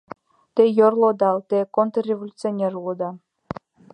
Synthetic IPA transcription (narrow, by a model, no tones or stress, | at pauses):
t̪ejorlˠod̪ɑlt̪ekont̪rʲevolʲut͡sionʲerlˠod̪ɑ